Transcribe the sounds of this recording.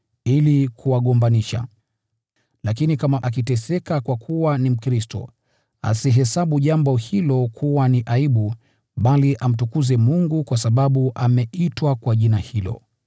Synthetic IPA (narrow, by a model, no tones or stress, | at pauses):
ilikʰuwaɠɔmbaniʃa̰ | lakinikamaʔak̬itɛsɛkakwakʰuwanim̩kɾistɔ̰ | a̰siɦɛsaɓuʄambɔhilɔkʰuwaniʔaiɓu | ɓaliʔam̩tukuzɛmuŋɡukwasaɓaɓuʔamɛitwakwaʄinahilɔ̰